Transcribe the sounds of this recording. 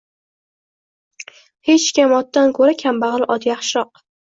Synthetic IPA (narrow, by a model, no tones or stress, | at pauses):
het͡ʃkʲamɒt̪ːankʰɵɾakʲʰambaɑʁlˠʔɒd̪jɑχʃɾɒq̚